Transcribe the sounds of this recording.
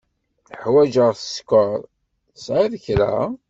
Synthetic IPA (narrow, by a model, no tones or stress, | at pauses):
θħwæd͡ʒəʁθə̥skəɾˤ | sʕiðəçɾæ̰